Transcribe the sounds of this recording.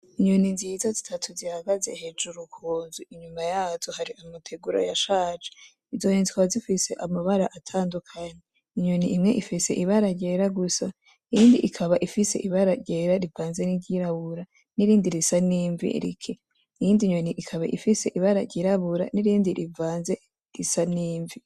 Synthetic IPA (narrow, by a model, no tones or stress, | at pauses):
iɲoninzizazitʰatʰuzihaɡaze̞̰he̞d͡ʒuɾukʰuːnzuiɲumajaːzohaɾiʔamutʰe̞ɡuɾa̰jaʃaːd͡ʒe̥ | izo̞hinzikwazifise̞ʔamaβaɾaʔatʰaːndukʰaɲe | iɲwoniʔimŋe̞ʔifise̞ʔiβaɾaɟe̞ɾaɡusa | ijiːndiʔikʰaβaʔifise̞̰ʔiβaɾaɟe̞ɾaɾivaːnze̞niɟiɾaβuɾa | niɾiːndiɾisaniːɱvḭɾḭkʰe | ijiːndiɲwoniʔikʰaβa̰ʔifise̞ʔiβaɾaɟiɾaβuɾa̰niɾiːndiɾivaːnze̞ | ɾisaniːɱvi